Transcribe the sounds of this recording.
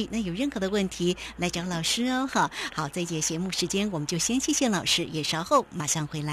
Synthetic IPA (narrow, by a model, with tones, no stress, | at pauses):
na˥˩jo˨˩ʊɻə˥˩nxɤ˧˥d̪ə˧wə˥˩nt̪ʰi˧˥la˧˥ɪʈ͡ʂɑ˧˥lɑ˨˩ʊʂɻ̩˥˧xɑ˥˩xɑ˨˩˦ʊt͡sa˥˧ɪt͡ɕjɛ˧˩t͡ɕjɛ˧˥mu˥˩ʂɻ̩˧˥t͡ɕjɛ˥nwɔ˨˩mə˦t͡ɕjo˥˧ʊɕjɛ˥nt͡ɕʰi˥˧ɕjɛ˥˩nlɑ˨˩ʊʂɻ̩˥jɛ˨˩ʂɑ˥ʊxo˥˩ʊma˨˩ʂɑ˥˩ŋxwe˧˥ɪla˧˥